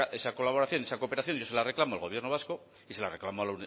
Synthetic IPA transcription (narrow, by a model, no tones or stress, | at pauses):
e̞sako̞laβ̞o̞ɾaθjo̞niesakope̞ɾaθjo̞nʝose̞lare̞klamoalɣo̞β̞je̞ɾno̞β̞asko | ise̞lare̞klamoaln